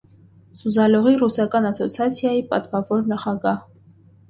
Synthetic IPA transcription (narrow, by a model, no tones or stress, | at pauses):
suzɑlɔʁirusɑkɑnɑsɔt͡sʰjɑt͡sʰjɑjipʼɑ̰t̪vɑvɔɾnɑχɑɡɑh